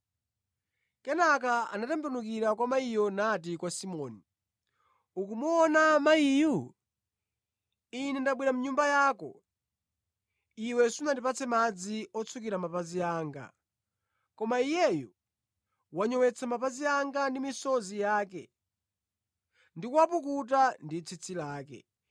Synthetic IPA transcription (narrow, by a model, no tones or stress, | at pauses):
kɛnak̬aa̰natɛmbnuk̬iɾakwamaijɔnat̬ikwasimɔːni | ukumuɔnamaiju | inɛndaɓwiɾamuɲumbajaːkɔ̰ | iwɛsunatipat͡sʰɛmad͡ziɔt͡sʰukiɾamapaziaːŋɡa̰ | kɔmaijɛjɔ | waɲɔwɛt͡sʰamapaziaŋɡandimisɔzijaːk̬ɛ | ndikuwapuk̬ut̬andit͡sʰit͡sʰilaːkɛ̰